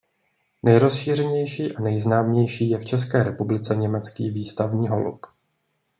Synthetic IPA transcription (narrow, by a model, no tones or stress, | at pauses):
nɛjɾo̞sʃiːr̝ɛɲɛjʃiːʔanɛjznaːmɲɛjʃiːjɛft͡ʃɛs̬kɛːɾɛpublɪt͡sɛɲɛmɛt͡skiːviːst̪avɲiːɦolṵp